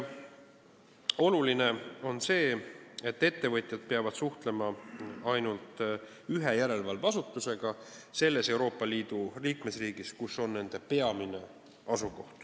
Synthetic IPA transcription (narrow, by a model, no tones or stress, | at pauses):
o̞luline̞o̞nse̞ːe̞t̪ːe̞t̪ːe̞vɤt̪ʲˑjɑd̪̥̚pe̞ɑvɑd̪̥suht̪le̞mɑɑjnult̪ˑ | yɦe̞jæɾe̞lvɑlvɑsut̪ːˑuse̞ɡ̥ɑse̞lːe̞se̞wɾo̞ːpːˑɑliːd̪̥uliːkme̞sriːɡiskuso̞nːe̞nd̪̥e̞pe̞ɑmine̞ | ɑsuko̞ht̪